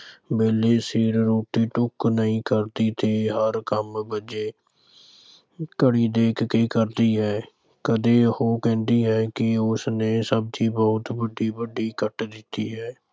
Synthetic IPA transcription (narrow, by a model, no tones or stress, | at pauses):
beːleːsiːɾɾoːʈiːʈʊknəɦĩːkəɾd̪iːt̪ʰeːɦəɾkəmbəd͡ʒeː | kəɽiːd̪eːkʰkeːkəɾd̪iːɦɛː | kəd̪eːhoːkɛ̃ːnd̪iːɦɛːkɪʊsneːsəb̚t̪ʰiːbəʊt̪bəɖiːbəɖiːkəʈd̪ɪt̪ːḭːɦɛː